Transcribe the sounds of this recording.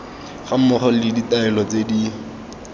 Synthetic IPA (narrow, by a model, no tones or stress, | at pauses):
χam̩mʊχɔlɪditaɛlɔt͡sedi